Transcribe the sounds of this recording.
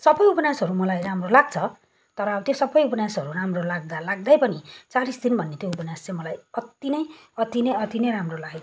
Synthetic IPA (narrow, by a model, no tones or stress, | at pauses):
sʌbʌjupʌnjasɦʌɾumʌlajramrolaɡ̚t͡sʰʌ | t̪ʌɾʌːbʌt̪josʌbʌjupʌnasɦʌɾuramrolaɡ̚d̪alaɡ̚d̪ajpʌnit͡saɾisd̪inbʱʌnːet̪joupʌnjast͡sãmʌlajʌt̪ːinʌjʌt̪inʌjʌt̪inʌjɾamrolaɡe